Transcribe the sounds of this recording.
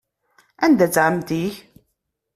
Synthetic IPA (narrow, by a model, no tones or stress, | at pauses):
ænd̪æt͡sːʕəmt̪iç